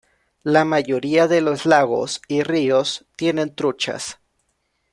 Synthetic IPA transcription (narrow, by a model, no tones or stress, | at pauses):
lamaʝo̞ɾiaðelo̞zlaɣo̞̰sirio̞st̪je̞nẽ̞nt̪ɾut͡ʃa̰s